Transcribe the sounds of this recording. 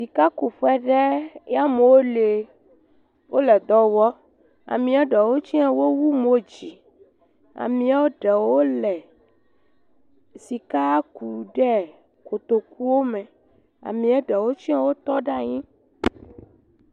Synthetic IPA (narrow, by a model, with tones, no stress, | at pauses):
si˨ka˦ku˨ɸɛ˦ɖɛ˦ja˦me˨wo˦le˨ | wʔo˦lɛ˨d̪ɔ˨wɔ˦ | a̰˨mĩ˨a˦ɖɛ˨wo˦t͡ɕi˦a˦wo˦wu˦mo˦d͡ʑi˨ | a̰˨mĩ˦a˦wo˦ɖɛ˨wo˦lɛ˨ | si˨ka˦ku˨ɖɛ˦ | ko˨t̪o˨ku˦wo˦mɛ̃˨ | a̰˨mĩ˨a˦ɖɛ˨wo˦t͡ʃĩ˦a˦wo˦t̪ɔ˦ɖa˦ɲĩ˦